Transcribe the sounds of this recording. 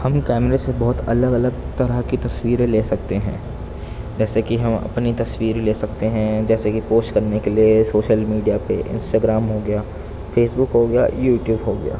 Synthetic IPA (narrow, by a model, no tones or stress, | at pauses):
hɐmkɛːmɾesebɔɦʊt̪ɐ̰ləɡɐləɡt̪ɐɾəɦkit̪ɐswiːɾeleːsɐk̚t̪eɦɛ̰̃ː | d͡ʒɛːsekiɦɐmɐ̰pnit̪ɐswiːɾleːsɐkt̪eɦɛ̃d͡ʒɛːsekipoːsʈkɐɾnekeliesoːʃəlmiːɖijapḛʔɪ̰̃nsʈaːɡɾaːmɦoɡɐjaː | feːsbʊkɦoɡɐja̰ːjuːʈjuːbɦoɡɐja̰ː